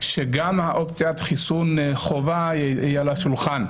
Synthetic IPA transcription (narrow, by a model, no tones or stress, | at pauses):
ʃeɡamaʔopt͡sjat̪χisunχovaijalaʃulχan